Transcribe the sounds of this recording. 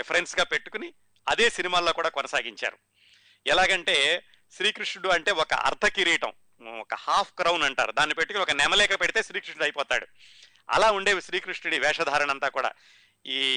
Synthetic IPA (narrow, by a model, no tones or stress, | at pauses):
epʰɐɾensɡaːpe̞ʈːu̥kuni | ɐd̪e̞ːsinimaːloːkuːɽaːkɔnɐsaːɡiɲt͡ʃa̰ːɾu | ɛlaːɡɐɳʈe̞ː | ʃɾiːkɾiʂɽuɐɳʈe̞ːɔkɐ̰ʔɐ̰ɾt̪ʰɐkiɾiːʈɐ̰m | ɔkɐhaːpʰkɾɐwnɐɳʈa̰ːɾud̪aːnːipe̞ʈːukuniɔkɐnɛmɐlɛːkɐɐpeɽit̪e̞ːʃɾiːkɾiʂɳɽɐjpɔːt̪a̰ːɽu | ɐ̰laːuɳɖeːʋiʃɾiːkɾiʂɳuɽiʋɛːʂɐd̪ʱaːɾɐɳɐnt̪aːkuːɽa̰ː | iː